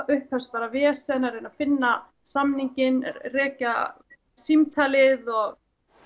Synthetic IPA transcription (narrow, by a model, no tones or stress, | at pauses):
ʔʏhpʰhɛ̥st̪paːɾavɛːsɛnaɾɪnaðfɪnːa | samniɲcɪnrɛːca | simt̪ʰalɪðɔɣ